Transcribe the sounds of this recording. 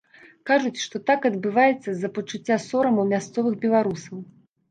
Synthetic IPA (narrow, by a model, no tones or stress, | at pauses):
kaʐut͡sʲʂt̪ɔt̪akɐd̪bɨvajɛt̪sːɐzɐpɐt͡ʂut͡sʲːasɔɾɐmɐwmʲast̪sɔvɨxbʲɛlˠaɾusɐw